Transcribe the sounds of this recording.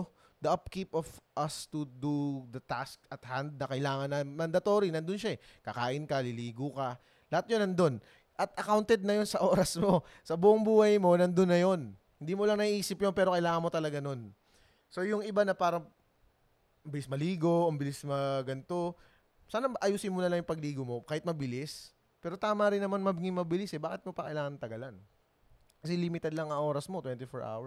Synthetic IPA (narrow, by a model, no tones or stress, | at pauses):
d̪ɐʔɐp̚kipofʔɐst̪ud̪ud̪ɐt̪askɐt̪hand̪̚nɐkɐɪlaːŋɐnːɐmɐnd̪ɐt̪o̞ːɾinɐnd̪ʊnʃaɛkɐkaːʔɪnkɐlɪliːɡukɐ | lɐhat̪̚jonɐnd̪o̞n | ʔɐt̪ʔɐkawnt̪ɛd̪̚nɐjo̞nsɐʔo̞ːɾɐsmo̞ | sɐbuːʔʊŋbuːhɐjmo̞nɐnd̪onːɐjo̞n | hɪnd̪iːmolɐŋnɐiʔiːsɪpjonpɛːɾo̞kɐɪlaːŋɐnmo̞t̪ɐlɐɡano̞n | so̞jʊŋɪbanɐpaːɾɐ | mbɪlɪsmɐliːɡo̞ʔʊmbɪlɪsmɐɡɐnt̪o̞ | saːnɐʔɐjuːsɪnmonɐlɐŋjʊŋpɐɡliːɡomo̞kaːhɪt̪mɐbɪlɪs | pɛːɾo̞t̪aːmɐɾɪnːɐmanmɐbɪɡɪŋmɐbɪlɪsɛbaːkɪt̪mopɐkɐ̰ʔɪlaːŋɐnɐt̪ɐɡalan | kɐsɛliːmɪt̪ɛd̪̚lɐŋɐŋʔo̞ːɾɐsmo̞t̪wɛnt̪ɪfoɹʔa̰wɛ